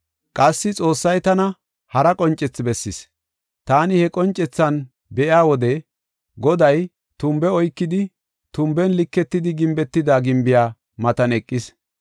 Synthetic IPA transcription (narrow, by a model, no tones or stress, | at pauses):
kʼɐsːɪt͡sʼo̞ːsːɐjt̪ɐnɐ | hɐɾɐkʼɔnt͡ʃʼɛt͡sːbɛsːɪs | t̪aːnɪhɛkʼɔnt͡ʃʼːɛt͡sːɐn | bɛʔjaːwɔd̪ɛ | ɡɔd̪ɐj | t̪ʊmbɛɔjkːɪd̪ɪ | t̪ʊmbɛnlɪkːɛt̪ːɪd̪ɪɡɪmbɛt̪ːɪd̪aːɡɪmbɪjaː | mɐt̪ɐnɛkʼːɪs